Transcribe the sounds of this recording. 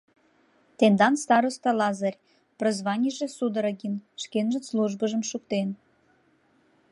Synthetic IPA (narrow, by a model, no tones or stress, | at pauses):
t̪end̪ɑnst̪ɑɾost̪ɑlɑzɑrʲ | prozβɑnʲiʒĕsud̪ə̆ɾəɣinʃkenʒə̆nsluʒbəʒə̆mʃuk̚t̪en